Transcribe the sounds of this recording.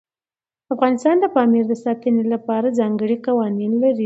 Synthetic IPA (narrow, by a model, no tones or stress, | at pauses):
afɣɑnɪst̪ɑnd̪əpɑmiɾd̪əsɑt̪ənelapɑɾad͡zɑŋɡəɽiqawɑninlaɾi